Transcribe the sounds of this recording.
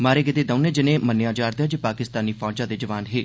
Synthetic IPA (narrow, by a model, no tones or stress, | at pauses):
maːɾeɡɪd̪eːd̪əʊneːd͡ʒɪnẽːmənjaːd͡ʒaːɾd̪ejaːd͡ʒipaːkɪst̪aːniːfɔːd͡ʒãːd̪eːd͡ʒəʋaːnɦeː